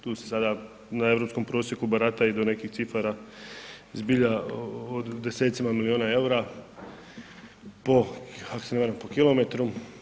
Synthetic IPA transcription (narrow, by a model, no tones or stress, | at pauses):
t̪uːsesad̪a | nae̞ʋɾopsko̞mpɾo̞ːsjekubaɾat̪aid̪o̞ne̞kixt̪sifaɾa | zbiʎaod̪ːeseːt̪simamilioːnae̞uɾa | poako̥eneʋaɾampokilo̞met̪ɾu